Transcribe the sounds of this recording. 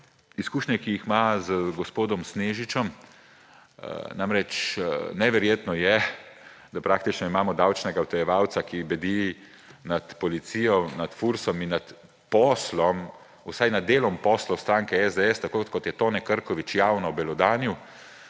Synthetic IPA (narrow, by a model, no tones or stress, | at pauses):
iskuːʃɲɛkijixmazəɡɔspoːd̪ɔmsneːʒit͡ʃɔm | namɾɛt͡ʃnɛʋɛɾjeːt̪nɔjɛ | d̪apɾaːkt̪it͡ʃnɔimaːmɔd̪aːwt͡ʃnɛɡawt̪ɔjɛʋaːwt̪sakibɛd̪i | nat̪pɔlit̪siːjɔnat̪fuɾsɔminːat̪ | pɔslɔm | usajnad̪̚ːeːlɔmpɔːslɔst̪ɾaːŋkɛɛzd̪ɛɛst̪akoːkɔt̪jɛt̪oːnɛkəɾkɔʋit͡ʃjaːwnɔbɛlɔd̪aːniw